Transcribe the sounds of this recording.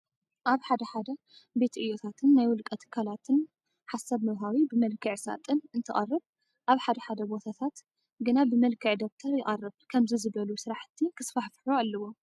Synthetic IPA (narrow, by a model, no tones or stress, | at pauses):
ʔaβħad̪ɐħad̪ɐ | be̞t̪ʔɨjo̞t̪ʰat̪ʰɨnːajwʊlkʼɐt̪ʰɨ̥kʰːalat̪ʰɨn | ħasaβmɐβɦawibɨmɐlkʰɨʕsa̰t̪ʼɨnɨnt̪ʰɨχʼɐrːɨβ | ʔaβħad̪ɐħad̪ɐbo̞t̪ʰat̪ʰat̪ | ɡɨnabɨmɐlkʰɨʕd̪ok̚t̪ʰɐɾjɪχʼɐrːɨβkʰɐmzizɨbɐlusɨɾaħt̪ʰikʰɨsfaħfħualːɐwo̞